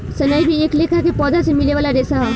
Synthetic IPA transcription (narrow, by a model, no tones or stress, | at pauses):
sɐnaːjbʱieːkleːkʰakepɔːd̪asemɪleʋaːlaɾeːsaɦa